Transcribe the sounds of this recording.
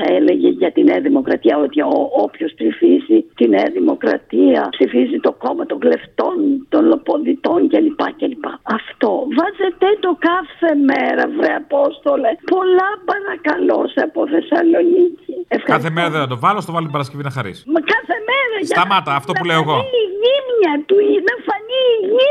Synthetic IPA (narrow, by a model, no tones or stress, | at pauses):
θɐele̞ʝeʝɐt̪ineɐðimo̞kɾɐt̪iɐo̞t̪ioopçost̪ɾifizit̪ineɐðimo̞kɾɐ̰t̪iɐ̰psifizit̪o̞ko̞mɐt̪oŋɡle̞ft̪o̞nt̪o̞nlo̞po̞nðit̪o̞ncelipɐcelipɐɐft̪o̞vɐzet̪et̪o̞kɐθe̞meɾɐ̰vɾeɐpo̞st̪olepo̞lɐpɐɾɐkɐlo̞̰seɐpoθe̞sɐlo̞niciefxɐkɐθemeɾɐðenɐd̪ovɐlost̪oɐlot̪ibɐɾɐs̬cevinɐxɐɾḭskɐθemeɾɐsɐɐmɐt̪ɐːft̪oɐuleoeɣoiʝimɲɐt̪uinɐfɐniʝi